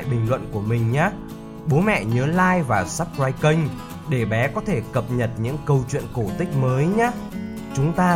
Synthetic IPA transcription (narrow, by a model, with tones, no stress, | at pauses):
jɓï˨˩ŋ̟lwə̰˧˨nku˧˩əmï˨˩ŋ̟ɲaː˨˦ | ɓo˨˦mɛ̰˧˨ɲəː˨˦laː˧jvaː˨˩sa˦˥p̚zaː˧jki˧ŋ̟ | ɗe˧˩ɓɛ˨˦kɔ˨˦t̪ʰe˧˩kə˨˩p̚ɲə˨˩t̚ɲɨ̰˧˥ŋkə˧wt͡ɕwḭ˧˨ənko˧˩t̪ï˦˥k̟̚məː˨˦jɲaː˨˦˥ | t͡ɕʊ˨˦ŋ͡mt̪aː˧